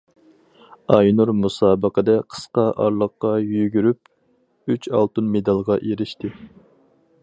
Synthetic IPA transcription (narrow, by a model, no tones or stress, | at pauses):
ɑjnuɾmusɑːbəqəd̪ɛqʰə̥sqɑʔɑɾlˠəqːɑjyɡʲyɾyp̚ | yt͡ʃʰɑ̰lˠt̪ɨnmed̪ɑlˠʁɑʔeɾɪʃt̪ɪ